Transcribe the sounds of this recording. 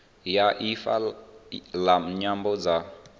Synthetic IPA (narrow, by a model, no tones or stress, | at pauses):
jaʔifa̰ | laɲambɔd͡za